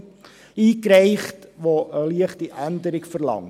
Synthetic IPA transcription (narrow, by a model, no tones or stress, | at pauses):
iːkɾɛɪχtʋoʔəliəχtiʔændəɾɪɡfəɾlɑ̰ŋ